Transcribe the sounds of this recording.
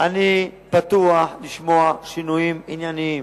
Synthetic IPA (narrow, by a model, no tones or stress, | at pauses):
ani | pat̪ualiʃmoaʃinuimiɲanim